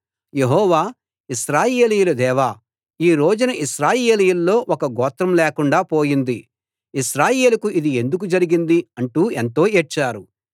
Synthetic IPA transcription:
je̞ɦɔːʋaː | iʃɾaːje̞ːlijulɐd̪ɛːʋaː | iːɾo̞ːd͡ʒunɐʔiʃɾaːje̞ːlijulːo̞ːʔɔkɐɡɔːt̪ɾɐmlɛːkuɳɖaːpo̞ːjind̪i | iʃɾaːje̞ːlɐkuʔid̪ie̞nd̪uk̬ud͡ʒɐɾiɡind̪iɐɳʈuːent̪o̞ːet͡ʃːaːɾu

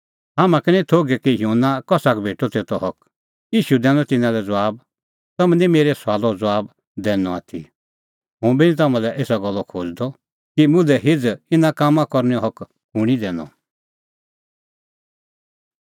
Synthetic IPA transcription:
ɦamãkɛnĩt̪ʰoːɡɛkijoːnakɔsakbʱeːʈɔt̪et̪ɔɦɔk | jiːʃud̪ɛ̃ːnɔt̪ɪnãlɛd͡zaːb̚ | t̪ɐmɛ̃nĩmeːɾɛsaːlɔd͡zɔaːb | d̪ɛːnɔa̰t̪ʰḭ | ɦũbinĩt̪̬ɐmãlɛʔeːsaɡɔlːɔkʰoːd͡zd̪ɔ | kimʊ̃lɛɦɪd͡zɪnãkaːmãkɔɾnɛɔ̃ɦɔk | huɽ̃id̪ɛːnɔ̰

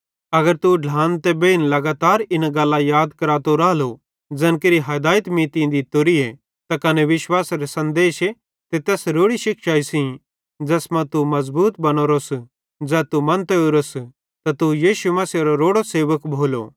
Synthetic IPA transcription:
ɐɡəɾt̪uɖʱãːnt̪ɛbeːnlɐɡaːt̪aːɾɪnaɡɐlːajaːd̪kɐɾaːt̪oɾaːlo | d͡zɐnkeɾiɦɐd̪aːjɪt̪miːt̪ĩd̪it̪oɾie | t̪akɐneʋɪʃwaːsɾesɐ̃nd̪eːʃe | t̪et̪ɛːsɾoːɽiʃɪkʃaːisĩ | d͡ʒɛːsmɐ̃t̪umɐzbuːt̪bɐnoːɾos | d͡ʒɛːt̪umɐnt̪euɾos | t̪at̪ujiːʃumɐsɐɾoɾoːɽoseːʋəkbʱoːlo̰

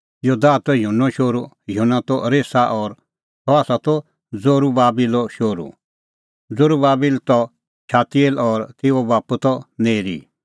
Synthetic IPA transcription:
jod̪aːt̪ɔjunɔʃoːɾu | junat̪ɔɾeːsaʔɔɾ | t̪ɔaːsat̪ɔ | d͡zoɾubaːbilɔʃoːɾṵ | d͡zoɾubaːbilt̪ɔ | t͡ʃʰaːt̪ielɔɾt̪ɪɔbaːput̪ɔneːɾḭː

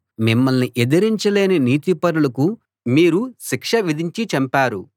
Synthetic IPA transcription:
mimːɐlniʔed̪ɐɾiɲt͡ʃɐle̞ːniniːt̪ipɐɾulɐku | miːɾuʃikʂɐʋid̪ʱiɲt͡ʃit͡ʃɐmpaːɾu

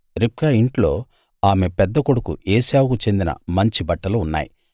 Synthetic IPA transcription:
ɾip̚kaːiɳʈlo̞ː | aːme̞pɛd̪ːɐkoɽukṵʔeːsaːwkut͡ʃe̞nd̪inɐ̰mɐɲt͡ʃibɐʈːɐluːnːa̰ːji

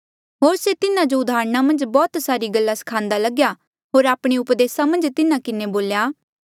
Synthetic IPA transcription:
ɦoːɾset̪ɪnãd͡ʒoʊd̪aːɾɽ̃amɐ̃nd͡ʒbɔːt̪saːɾiɡɐlːasɐ̥kʰãːnd̪alɐɡja | ɦoːɾaːpɽ̃iʊpd̪eːsamɐ̃nd͡ʒt̪ɪnãkɪneboːljaː

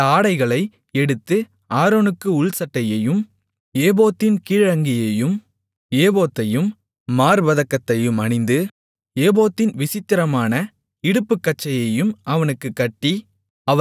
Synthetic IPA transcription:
aːɽɐɪɣɐɭɐɪ | ɛɽɯt̪ːɯ | aːɾoːnɯkːɯʊɭsɐʈːɐjɐjɯm | eːboːt̪ːɪnkiːɻɐŋɡɪjɐjɯm | eːboːt̪ːɐjɯmː | aːɾʋɐðɐkːɐt̪ːɐjɯmɐɳɪnd̪ɯ | eːboːt̪ːɪnʋɪsɪt̪ːɪɾɐmaːnɐ | ɪɽɯpːɯkːɐʈ̚t͡ʃːɐjɐjɯmɐʋɐnɯkːɯkːɐʈːi | ɐ

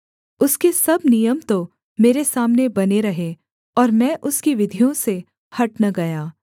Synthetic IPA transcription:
ʊskesɐbnijəmt̪o | meːɾesaːmnebɐneɾɐɦe | ɔːɾmɛ̃ʔʊskiʋɪd̪ʱijõse | hɐʈnɐɡɐjaː

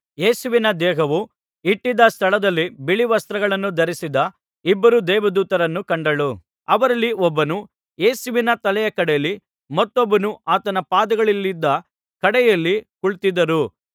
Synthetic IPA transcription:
jeːsuʋinɐd̪ɛːɦɐʋu | iʈːid̪ɐst̪ʰɐɭɐd̪ɐlːibiɭiʋɐst̪ɾɐɡɐɭɐnːud̪ɐɾisid̪ɐ | ibːɐɾud̪ɛːʋɐd̪uːt̪ɐɾɐnːukɐɳɖɐɭu | ɐʋɐɾɐlːiɔbːɐnu | je̞ːsuʋinɐt̪ɐlɛjɐkɐɽɛjɐlːi | mɐt̪ːobːɐnuʔaːt̪ɐnɐpaːd̪ɐɡɐɭilːid̪ːɐ | kɐɽɛjɐlːikuɭt̪id̪ɐɾu

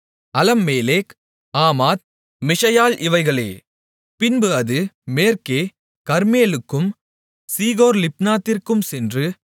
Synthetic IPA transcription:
ɐlɐmːeːleːk | aːmaːt̪̚ | mɪʂɐjaːlʔɪʋɐɪɣɐɭḛː | pɪnbɯɐðɯmeːɾkeː | kɐɾmeːlɯkːɯm | siːɣoːɾlɪp̚naːt̪ːɪrkɯmsɛndrɯ

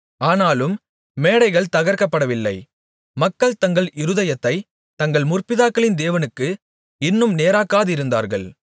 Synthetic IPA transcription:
aːnaːlɯmː | eːɽɐɪɣɐɭt̪ɐɣɐɾkɐpːɐɽɐʋɪlːɐ̰ɪ | mɐkːɐɭt̪ɐŋɡɐɭɪɾɯðɐjɐt̪ːɐɪ | t̪ɐŋɡɐɭmʊrpɪðaːkːɐɭɪnd̪eːʋɐnɯkːɯ | ɪnːɯmneːɾaːkːaːðɯɪɾɯnd̪a̰ːɾɣɐ̰ɭ

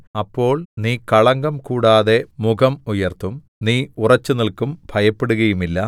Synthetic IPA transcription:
ɐpːo̞ːɭniːkɐɭɐŋɡɐmkuːɽaːðe̞muɡɐmujɐrt̪ːum | niːurɐt͡ɕːunilkumbʱɐjɐpːeɽuɣɐjumilːɐ

